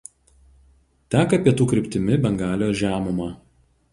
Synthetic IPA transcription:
t̪ʲæːkɐpʲiɛt̪uːkɾʲɪpʲt̪ʲɪmʲɪbʲɛŋɡɑːlʲjoːʒʲæːmʊmɑː

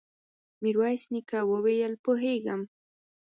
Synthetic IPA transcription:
mɪɾwajsnɪkawoβejalpoɦejɢɑm

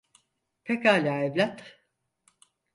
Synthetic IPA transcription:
pʰekaːlʲaːevlʲat̪

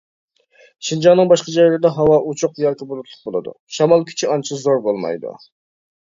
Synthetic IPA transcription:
ʃind͡ʒɑnːɨŋbɑʃqɑd͡ʒɑjɑld̪ɛɦɑwɑʔut͡ʃʰʊqjɑːkʲibolˠʊt̪ʰlˠʊq̚bolˠɨ̰d̪ṵʃɑmɑlˠkʲʰy̥t͡ʃʰiɑnt͡ʃʰɪzoɾbolˠmɑ̰jd̪ṵ

